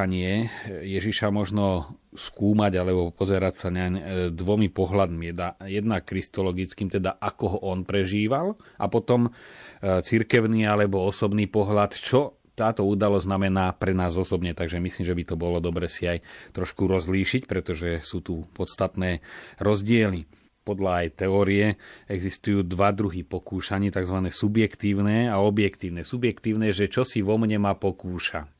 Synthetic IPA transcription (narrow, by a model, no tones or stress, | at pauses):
aɲɪɛjɛʒiʃamɔʒnɔskuːmaɟalɛbɔpɔzɛɾacsaɲɛaɲd̪ʋɔmipɔɦlad̪miɛd̪ajɛd̪nakːɾist̪ɔlɔɡit͡skiːmt̪ɛd̪aʔakɔɦɔʔɔnpɾɛʒiːʋalʔapɔt̪ɔm | t͡siɾkɛʊniːalɛbɔɔsɔbniːpɔɦlat̪t͡ʃɔ | t̪aːt̪ɔuːd̪alɔzznamɛnaːpɾɛnaːzɔsɔbɲɛt̪aɡʒɛmisliːmʒɛbit̪ɔbɔlɔd̪ɔbɾɛːsiajt̪ɾɔʃkuɾɔzliːʃicpɾɛt̪ɔʒɛsuːt̪upɔt̪st̪at̪nɛːɾɔzɟɪɛli | pɔd̪ʎaːjt̪ɛɔːɾiɛɛɡzist̪ujuːd̪ʋad̪ɾuɦipɔkuːʃaɲɛːt̪aɡzʋanɛːsubjɛkt̪iːʊnɛːaɔbjɛkt̪iːʊnɛsubjɛkt̪iːʊnɛːʒɛt͡ʃɔsiʋɔmɲɛmapɔkuːʃa